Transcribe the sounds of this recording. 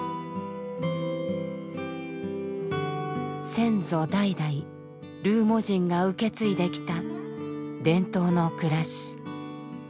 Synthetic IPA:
sẽ̞nd͡zo̞d̪aid̪ai | ɾɯ̟ːmo̞ʑĩŋɡaɯ̟ke̞t͡sɨid̪e̞kʲi̥t̪a | d̪ẽ̞nt̪o̞ːno̞kɯ̟ɾaɕi̥

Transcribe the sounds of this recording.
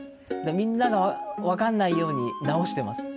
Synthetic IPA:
d̪emʲĩnːaɡaβaβakanːaijo̞ːɲ̟inao̞ɕi̥t̪e̞masɨ̥

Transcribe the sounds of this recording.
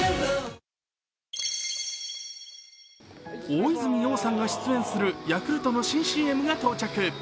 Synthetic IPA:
oizɨmʲijo̞ːsãŋɡaɕi̥t͡sɨẽ̞ɰ̃sɨɾɯ̟jakɯ̟ɾɯ̟t̪o̞no̞ɕĩɰ̃ɕiːe̞mɯ̟ɡat̪o̞ːt͡ɕakɯ̟

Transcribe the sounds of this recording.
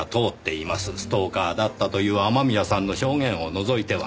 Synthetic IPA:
t̪o̞ːt̪ːe̞imasɨsɨ̥t̪o̞ːkaːd̪at̪ːat̪o̞jɯ̟ːamamʲiasãnːo̞ɕo̞ːŋẽ̞ɰ̃o̞no̞zo̞it̪e̞βa̰

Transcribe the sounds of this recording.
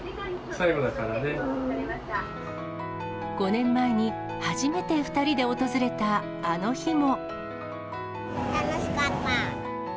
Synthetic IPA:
saiɡod̪akaɾane̞ | ɡ̥o̞nẽ̞mːae̞ɲ̟i | haʑime̞t̪e̞ɸɯ̟̥t̪aɾʲid̪e̞o̞t̪o̞zɨɾe̞t̪aː | no̞çimo̞ | t̪anoɕi̥kat̪ːa

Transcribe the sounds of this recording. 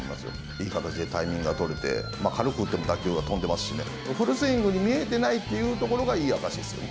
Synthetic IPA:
imasɨjo̰ | iːkat̪at͡ɕid̪e̞t̪aimʲĩŋɡɯɡat̪o̞ɾet̪e̞̰makʰaɾɯ̟kɯɯt̪ːemo̞d̪akʲɯ̟ːɡat̪õ̞nd̪e̞masɨ̥ɕine̞̰ | ɸɯ̟ɾɯ̟sɨĩŋɡɯ̟ɲ̟imʲie̞t̪̬e̞nait̪ːe̞jɯ̟ːt̪o̞ko̞ɾo̞ɡaiːakaɕid̪esɨjo̰ne

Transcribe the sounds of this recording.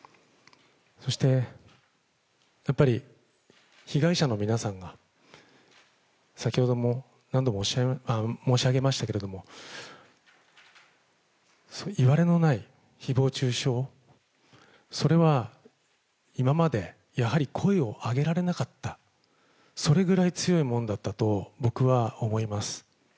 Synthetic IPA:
so̞ɕi̥t̪e̞ | japːaɾʲi | çiɡaiɕano̞mʲinasãŋɡa | sakʲiho̞d̪o̞mo | nãnd̪o̞moɕamo̞ːɕiaɡe̞maɕi̥t̪ake̞ɾe̞d̪o̞mo̞ | soiβaɾe̞no̞nai | çibo̞ːt͡ɕɨːɕo̞ː | so̞ɾe̞βa | imamad̪e̞ | jahaɾʲikʰo̞eo̞ʔaɡe̞ɾaɾe̞nakat̪ːa | so̞ɾe̞ɡɯ̟ɾait͡sɨjo̞imõ̞nd̪at̪ːat̪o̞bo̞kɯ̟βaomo̞imasɨ̥

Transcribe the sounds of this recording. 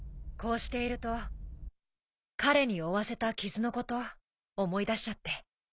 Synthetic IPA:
ko̞ːɕi̥t̪e̞iɾɯ̟t̪o̞ | kaɾe̞ɲ̟ioβase̞t̪akʲizɨno̞ko̞t̪o̞ː | mo̞id̪aɕi̥t͡ɕat̪ːe̞

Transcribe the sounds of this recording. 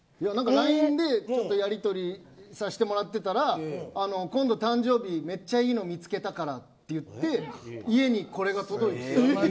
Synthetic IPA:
janãŋkaɾaĩnd̪e̞t͡ɕo̞t̪ːo̞jaɾʲit̪o̞ɾʲisaɕi̥t̪e̞mo̞ɾat̪ːe̞t̪aɾaːnokõ̞nd̪o̞t̪ãɲ̟d͡ʑo̞ːbʲime̞t͡ɕːaiːno̞ːmʲit͡sɨ̥ke̞t̪akaɾatt̪ːe̞jɯ̟t̪ːe̞ie̞ɲ̟iko̞ɾe̞ɡat̪o̞d̪o̞it̪e̥

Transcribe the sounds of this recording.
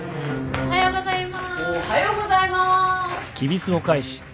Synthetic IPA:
ohajoːɡozaimahajoːɡozaimakʲʰibʲisɨokaiɕi̥

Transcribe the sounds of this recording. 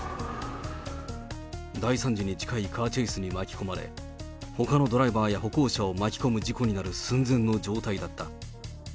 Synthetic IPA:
d̪aisãɲ̟d͡ʑiɲ̟id͡ʑi̥kaikʰaːt͡ɕeisɨɲ̟imakʲi̥ko̞maɾe̞̰ | ho̞kano̞d̪o̞ɾaibaːjaɦo̞ko̞ːɕaomakʲi̥ko̞mɯ̟d͡ʑiko̞ɲ̟inaɾɯ̟sɨ̃nd͡zẽ̞nːo̞d͡ʑo̞ːt̪aid̪at̪ːa

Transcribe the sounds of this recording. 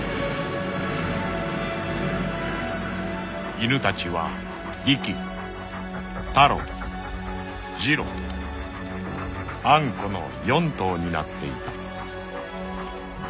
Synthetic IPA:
inɯ̟t̪at͡ɕiβa | ɾʲikʲi | t̪aɾo̰ | d͡ʑiɾo̰ | ãŋko̞no̞̰ | jõ̞nt̪o̞ːɲ̟ina̰t̪ːe̞̰it̪a

